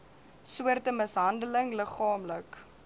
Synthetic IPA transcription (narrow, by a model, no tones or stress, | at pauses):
suərtəməsɦɐndələŋləχɑːmlək